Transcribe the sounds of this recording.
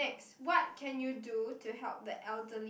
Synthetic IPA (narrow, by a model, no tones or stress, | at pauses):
ɛkswɔt̚kʰɛ̃njudutʰuɦɛlp̚d̪əʔɛldəli